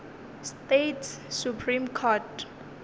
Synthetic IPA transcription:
stetʰssupʰrimkʰɔt

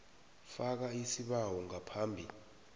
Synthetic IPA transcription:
fak̬aisiɓawɔŋapʰaːmbʱi

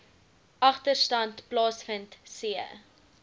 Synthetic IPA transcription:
ʔɐχtərstɐntplɑːsfəntsiə

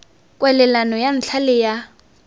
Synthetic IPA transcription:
kʼwɛlɛlanɔjan̩t͡ɬʰalɪja

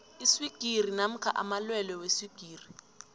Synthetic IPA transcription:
iswiɡ̥ʱir̤inam̩kʰaʔa̰malwɛlɛwesiɡ̥ʱiːri

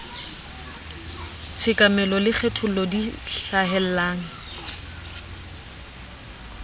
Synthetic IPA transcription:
t͡sʰɪkʼamɛlɔlɪk͡xʰetʰʊlɔdiɬaɦɛl̩aːŋ̩

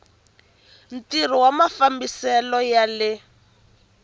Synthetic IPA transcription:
n̩tir̤iwamafambisɛlɔjalɪ

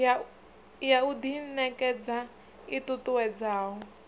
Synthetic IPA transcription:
jaud̪inɛkɛd͡za | itutuwɛd͡zaːɦɔ

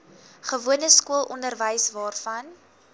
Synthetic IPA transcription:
χəvuənəskuəlˠʔɔndərvəjsvɑːrfɐn

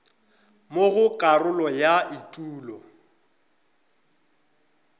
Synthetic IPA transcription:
moɣʊkʼarʊlɔjaitʼuːlɔ

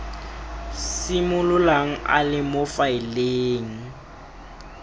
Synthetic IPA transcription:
simʊlʊlaŋ̩ʔa̰lɪmʊfaɪleːŋ̩

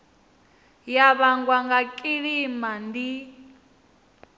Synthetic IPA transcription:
jaβaŋɡwaŋɡakʼiɺimandi

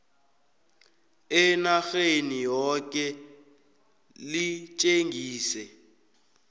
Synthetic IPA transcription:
ɛnaxenijɔkɛ | lit͡ʃʼeŋɡʱiːsɛ

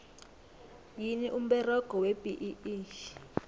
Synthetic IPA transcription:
jiniʔum̩bɛrɔɡ̥ʱɔweb̥ʱiʔiiːʃi̥

